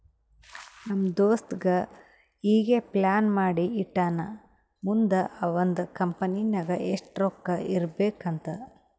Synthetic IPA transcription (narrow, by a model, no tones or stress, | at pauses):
nɐmd̪oːst̪ɡɐ | iːɡeplaːnmaːɽiːʈːaːnɐ | mund̪ɐɐʋond̪ukɐmpɐninɐɡɐʔeʂʈɾokːɐʔiɾbeːkɐnt̪ɐ